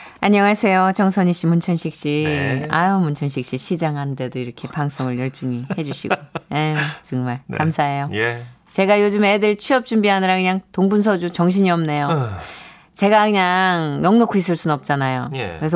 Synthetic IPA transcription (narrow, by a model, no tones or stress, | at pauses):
aɲʌŋasʰe̞jot͡ɕʌŋsʰʌɲiɕ͈imunt͡ɕʰʌnɕʰik̚ɕ͈ia̰jomunt͡ɕʰʌnɕʰik̚ɕ͈iɕʰid͡ʑaŋɦannde̞doiɾʌkʰe̞paŋs͈oŋɯɭjʌɭt͡ɕ͈uŋihe̞d͡ʑuɕʰḭɡoje̞t͡ɕʌŋmaɭkamsʰaɦe̞joj | t͡ɕe̞ɡajod͡ʑɯmedɯɭt͡ɕʰiʌp̚t͡ɕ͈umbiɦanɯɾakɯɲaŋtoŋbuns̬ʰʌd͡ʑut͡ɕʌŋɕ̬ʰiɲiʌmne̞jo | t͡ɕe̞ɡakɯɲaŋnʌŋnokʰuis͈ɯɭs͈unnʌp̚t͡ɕ͈anajojkkɯɾe̞sʰ